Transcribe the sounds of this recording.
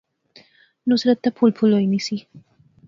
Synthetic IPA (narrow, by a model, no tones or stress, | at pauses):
nusɾat̪ːapʰulpʰulojnisi